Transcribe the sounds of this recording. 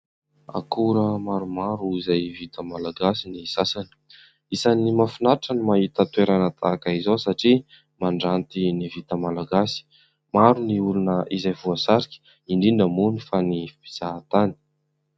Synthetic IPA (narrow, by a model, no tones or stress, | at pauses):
a̰kuɾəmaɾumaɾuizajvit̪əmalaɡasinisasani̥ | isanimafinaɾaʈ͡ʂənimaɦit̪ət̪weɾanət̪ʰa̰kaizosaʈ͡ʂi | maɳɖ͡ʐant̪inivit̪əmalaɡasi̥ | maɾuniulunəʔizajvuasaɾikʲi̥ | iɳɖ͡ʐiɳɖ͡ʐəmunifanivibiz̥at̪ani̥